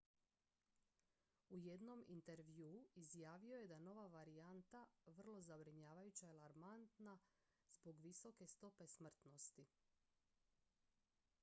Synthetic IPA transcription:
uje̞d̪no̞mḭnt̪e̞ɾʋjuːizjaːʋio̞je̞d̪ano̞ʋaʋaɾiant̪aʋr̩lˠo̞zabɾiɲaːʋajut͡ɕaalˠaɾmant̪na | zbo̞ɡʋiso̞ke̞st̪o̞pe̞smr̩t̪no̞st̪i

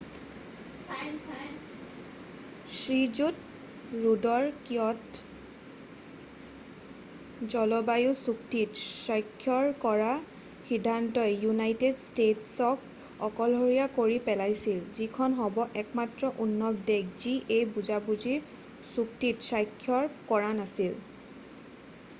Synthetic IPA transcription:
sɹizut | ɹudɔɹkiɔt | zɔlɔbajʊsuktitsɔjkʰːjɔɹkɔɹa | xidʱantɔjjunajtedstetsɔk | ɔkɔlɦoɹijakoɹipɛlajsilzikʰɔnɦɔbɔʔɛkmatɹɔʔunːɔk̚dek̚ziʔejbuzabuziɹ | suk̚titsajkʰːjɔɹkɔɹanasil

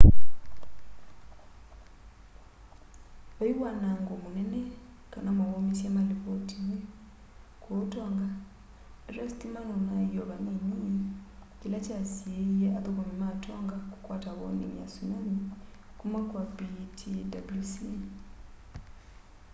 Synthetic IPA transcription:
βaiwanaŋɡomunene | kanamaβomisamaliβotiwe | kwotoŋɡa | ɾastimanonaioβanimijkilacasieijaʔaðukomimatʰoːŋɡaku̥kwataβo̰nḭmja̰sunami | kumwakwabitʰidabulusi

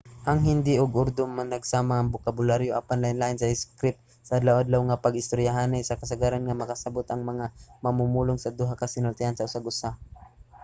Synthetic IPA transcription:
ʔaŋɦɪnd̪ɪʔʊɡʔʊɾd̪ʊmːanɐɡsaːmaʔːŋbʊkabʊlaɾjoʔapanlaɪnlaɪnsaɪskɾɪp̚ | saʔad̪lawʔad̪lawŋapaɡɪst̪ʊɾjaɦanajsɐkɐsaɡaɾanŋamɐkasabʊt̪ɐŋmɐŋamɐmumulʊŋsad̪uɦakasɪnʊlt̪ɪhansɐʊsaɡʊsa

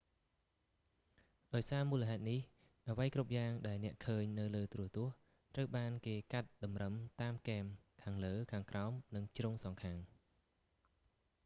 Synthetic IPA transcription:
ɗaɔjsaːmuːləɦaɛt̪̚nih | ɗaʋəjkrup̚jaːŋɗaɛlnɛ̆əʔkʰəːɲnɨwləːt̪ruət̪ʊ̆əh | t̪rəwɓaːnkeːkat̪̚ɗɑmrəmt̪aːmkeːmkʰaːŋləːkʰaːŋkraɔmnɨŋt͡ɕruːŋsɑŋkʰaːŋ

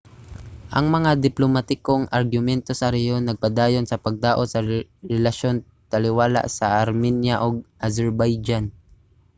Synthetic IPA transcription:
ʔɐŋmɐŋad̪ɪplomat̪ɪkoŋʔɐɾɡʊmɛnt̪osɐɾɛjonɐɡ̚pɐd̪aːjo̞nsɐpɐɡ̚d̪aːʔot̪sɐɾɛlɐʃo̞n | t̪ɐlɪwaːla̰ʔsɐʔɐɾmɛnjaʔoɡ̚ʔɐzɛɹbajd͡ʒan

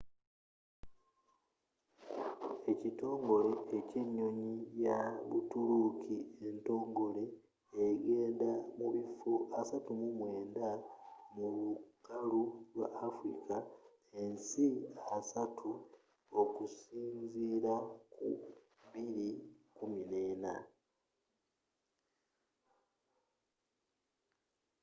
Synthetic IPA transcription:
e̞cito̞ːŋɡo̞le̞eceɲːoɲijaβṵtulukʰie̞nto̞ːŋɡo̞le̞ː | ɡe̞ːndamuβifoasatumumweːndamuβukalulwa̰ʔːfɾḭka | e̞nsiasatʰu | okusiːnziːɾakṵ | βiɾikuminena̰

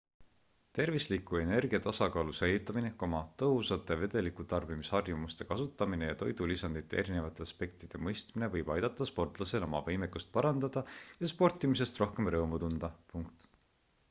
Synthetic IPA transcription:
t̪e̞rvislikːue̞ne̞rɡ̥iɑt̪ɑsɑkɑːlusejlːit̪ːˑɑmine̞komɑt̪ɤɦusɑt̪ːˑe̞ve̞d̪̥e̞likut̪ɑrb̥imishɑrjumust̪e̞kɑsut̪ːˑɑmine̞jɑt̪o̞jd̪̥ulisɑnd̪̥it̪ːˑe̞eɾine̞vɑt̪ːˑe̞ɑspe̞k̚t̪id̪̥e̞mɤjst̪mine̞vɤjb̥ɑjd̪̥ɑt̪ːˑɑspo̞rt̪ˑlɑse̞lo̞̰mɑvɤjmekːust̪̚pɑɾɑnd̪̥ɑd̪̥ɑjɑspo̞rt̪ːˑimis̬e̞st̪ro̞hke̞mrɤːmut̪und̪̥ɑpuŋkt̪

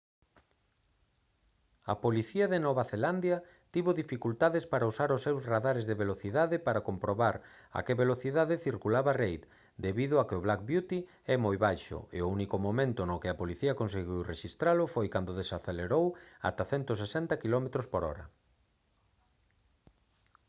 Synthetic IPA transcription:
ɐ̰poliθiɐðenɔβaθeland̪jɐ | t̪iβoðifikult̪aðespaɾausaɾʊsːewzraðaɾezðeβeloθiðaðɪpaɾakompɾoβaɾ | a̰keβeloθiðaðɪθiɾkulaβarejt̪ | d̪eβiðʊakɪʊβlakbjut̪i | ɛmojβajʃʊ̰ḛounikomomẽnt̪ʊnokɪapoliθiɐkõns̬eɣiwreʃist̪ɾalʊfojkand̪oðesaθeleɾowa̰t̪aθɛnt̪ʊs̬esɛnt̪akilɔmet̪ɾospoɾɔ̰ɾɐ̰

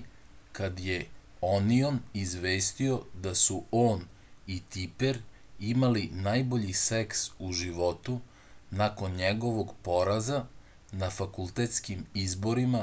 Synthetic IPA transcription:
kad̪je | onionizʋeːst̪io̞d̪asuoːn | it̪ipeɾ | imalinajbo̞ʎiseksuʒiʋo̞t̪u | nako̞nɲeɡo̞ʋo̞ɡpo̞ɾaza | nafakulˠt̪et̪skimizbo̞ɾima

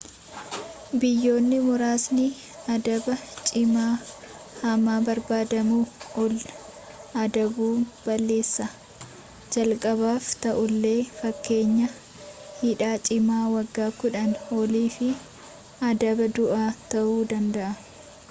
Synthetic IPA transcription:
bɪjːo̞ːnːɪmʊɾaːsnɪ | ɐd̪ɐbɐt͡ʃʼɪmaː | hɐmaːbɐɾbaːd̪ɐmuːʔɔl | ɐd̪ɐbuːb̥ɐlːe̞ːsːɐ | d͡ʒɐlkʼɐβaːft̪ɐʔʊlːe̞ːfɐkːe̞ːɲːɐ | hɪᶑaːt͡ʃʼɪmaːwɐɡːaːkʊᶑɐnɔliːfɪ | ɐd̪ɐbɐd̪ʊʔaːt̪ɐʔuːd̪ɐnd̪ɐʔɐ

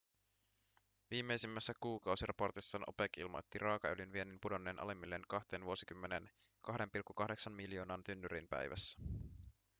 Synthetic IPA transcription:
ʋiːmːe̞jsimːæsːækuːkɑwsirʔɑ̰po̞rt̪isːɑːnʔo̞̰pekilmo̰jt̪ːirɑːkɑølinʋie̞nympudo̞nːeːnʔɑ̰lemːilːe̞nkɑht̪e̞ːnʋuo̞sikymːenenkɑɦde̞mpilkːukɑhde̞ksɑnmiljo̞ːnɑnt̪ynːyɾinpæ̰jʋʔæ̰sːæ̥

